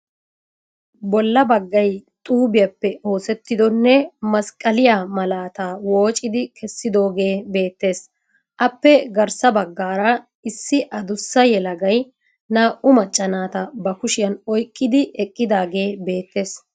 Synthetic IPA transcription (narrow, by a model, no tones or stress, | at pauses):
bɔlːɐbɐɡːɐjt̪ʼuːbɪjɐpːɛo̞ːsɛt̪ːɪd̪ɔnːɛmɐskʼɐlɪjaːmɐlaːt̪aːwo̞ːt͡ʃʼːɪd̪ɪkʰɛsːɪd̪o̞ːɡe̞ːbe̞ːt̪ːe̞ːs | ʔɐpːɛɡɐɾsɐbɐɡːaːɾɐ | ɪsːɪʔɐd̪ʊsːɐjɛlɐɡɐj | naːʔʊmɐt͡ʃʼːɐnaːt̪ɐbɐkʊʃɪjɐnɔjkʼːɪd̪ɪʔɛkʼːɪd̪aːɡe̞ːbe̞ːt̪ːe̞ːs